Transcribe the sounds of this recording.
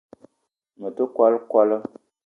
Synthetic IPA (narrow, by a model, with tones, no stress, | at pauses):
mə˨tə˦kwa˦lkwa˦lə˦